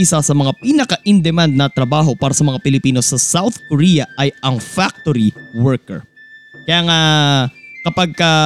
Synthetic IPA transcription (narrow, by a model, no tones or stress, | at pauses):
ɪsasɐmɐŋapiːnɐkɐʔɪnd̪ɛmand̪̚nɐt̪ɾɐbaːɦo̞paːɾɐsɐmɐŋapɪlɪpiːno̞sɐsawθkoɾiːjɐʔɐjɐŋfak̚t̪oɾiwɛɹkɛ̰ɹ | kɐjaːŋa | kɐpaɡ̚kɐ